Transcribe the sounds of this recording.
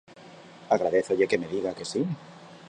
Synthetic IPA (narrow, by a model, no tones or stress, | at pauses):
aɣ̞ɾaðeθoʝekeme̞ðiɣake̞si